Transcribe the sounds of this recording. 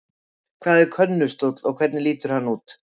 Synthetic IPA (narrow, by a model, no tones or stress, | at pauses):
kʰvaːðɛɾkʰœnːʏst̪ɔt̪lɔɣkʰvɛɾt̪nɪliːt̪ʏɾ̥hanːuːt̪